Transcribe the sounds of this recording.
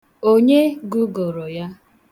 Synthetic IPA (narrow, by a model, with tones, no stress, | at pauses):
o˦ɲe˦ɡu˦ɡo˨ɾo˨ja˦